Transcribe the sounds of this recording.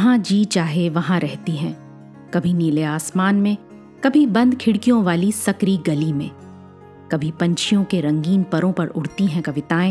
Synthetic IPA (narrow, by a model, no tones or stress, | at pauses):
ɦãd͡ʒiːt͡ʃaːɦeʋɐɦãɾɛɦt̪iɦɛ̃ː | kɐbʱiniːleaːsmaːnmẽ | kɐbʱibɐ̃nd̪kʰɪɽkijõʋaːlisɐkɾiɡɐlimḛ̃ː | kɐbʱipɐ̃ɲt͡ʃʰijõkeɾɐ̃ŋɡiːnpɐɾõpɐɾʊɽt̪iɦɛ̃kɐʋɪt̪aːẽ